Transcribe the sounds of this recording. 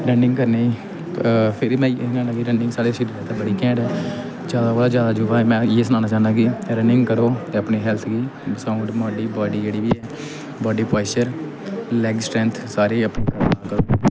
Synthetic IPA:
ɾəɳɖɪ̃ŋɡkəɾneː | pʰɪɾimɛ̃ːkɛ̃ːaːkiɾəɳɖɪŋɡsaːɾeːsɪɾiːɾt̪ẽːbəɽiːkɛ̃ːɖɛː | d͡ʒjaːd̪aːboːɖaːd͡ʒjaːd̪aːd͡ʒʊʋaːɛːmɛ̃ːjeːsənãːnaːt͡ʃaːnd̪aːkiːɾəɳɖɪŋɡkəɾoːt̪eːəpniːɦɛlt̪ʰɡiːsãːʊɖmaːɖiːbaːɖiːd͡ʒeːɽiːʋiːɛː | baːɖiːpaːɪsəɾ | lɛːɡsʈɾɛ̃ːnt̪ʰsaːɾeːəpɳeːkəakəɾoː

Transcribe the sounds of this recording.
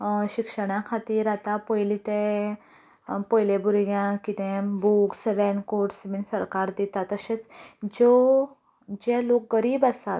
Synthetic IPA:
ɕikʂəɽ̃ãkʰat̪iːɾat̪apɔjlit̪ẽ | pɔjlebʱuɾɡjãkit̪ẽbuksɾɛnkoʈsminsəɾkaɾd̪it̪at̪əɕet͡sd͡ʑo | d͡ʑɛlok̚ɡəɾiːbast̪at̪

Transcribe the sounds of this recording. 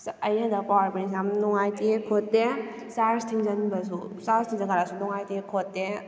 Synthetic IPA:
ɐjadapawɾbinis̬amnɔŋajtikʰotːe | saɾstʰiŋzɐnbɐs̬usaɾstʰiŋzaɡaɾasunɔŋajtekʰotːe

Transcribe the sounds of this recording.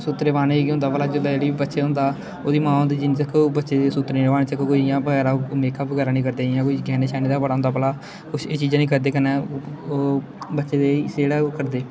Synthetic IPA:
sʊt̪ːɾeːʋaːneɦʊ̃nd̪aːpəlaːd͡ʒəd̪ad͡ʒeːɽiːiːbətːʃeːɦʊ̃nd̪aː | oːd̪iːmãːõnd̪iːd͡ʒint͡ʃəkʰːobətːʃeːd̪eːsʊt̪ɾʋaːnẽːt͡ʃəkːokoiːjãːbəɡɛːɾaːmeːkaːpbəɡɛːɾaːnĩːkəɾd̪eːjãːkoiːɡɛːneːʃaːneːd̪aːpəɽaːɦʊnd̪aːpəlaː | kʊʃʰeːt͡ʃiːd͡ʒãːnĩːkəɾd̪eːkənɛː | bətːʃeːd̪eːseɽaːkəɾd̪eː

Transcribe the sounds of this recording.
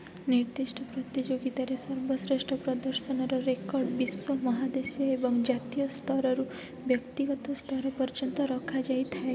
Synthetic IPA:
niɾd̪iʃʈʰɔpɾɔt̪id͡ʒoɡit̪aɾesɔɾbɔsɾeʃʈɾɔpɾɔd̪ɔɾsɔnɔɾɔɾekɔɾɖbiswɔmɔɦad̪esjɔebɔŋd͡ʒat̪ijɔst̪ʰɔɾɔɾu | bjɔkt̪iɡɔt̪ɔst̪ʰɔɾɔpɔɾd͡ʒɔnt̪ɔɾɔkʰad͡ʒajt̪ʰae

